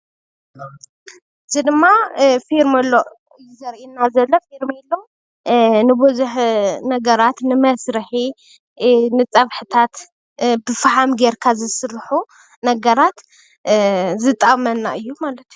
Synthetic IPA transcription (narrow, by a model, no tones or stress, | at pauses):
ɨzid̪ɨmːafiɾmɐlːo | ɨjizɐɾʔinːazɐlːofiɾmilːo | nɨbɨzuħnɐɡɐɾat̪nɨmɐsɾɨħi | nɨt͡sʼɐβħɨt̪ʰat̪ | bɨfħamɡeɾkʰazɨsɨrħu | nɐɡɐɾat̪ | zɨt̪ʼːɐmɐnːaʔɨjːumalɐt̪ju